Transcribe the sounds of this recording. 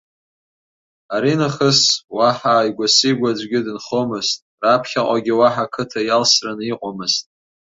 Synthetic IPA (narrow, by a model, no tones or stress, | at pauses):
aɾinɨχəswaħajɡʷasiɡʷad͡ʒʷɡʲɪdɨnχomɨztʼrapʰχʲaqʷʼaɡʲɪwaħakʰɨtʰajalsranɨiqʷʼamɨztʼ